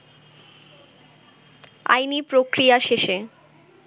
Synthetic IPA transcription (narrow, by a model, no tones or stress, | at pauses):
a̰jnipɾokɾijaʃeʃe